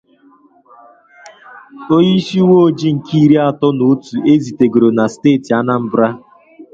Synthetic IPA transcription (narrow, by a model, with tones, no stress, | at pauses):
o˦ji˦ʃi˦wo˦d͡ʒi˦ŋ̩˨kʰi˦ɾi˦a˦tɔ˦no˨˦tu˨e˦zi˨te˨ɡo˨ɾo˨na˨steː˦˨ti˨a˦na˦m̩˦bɾa˦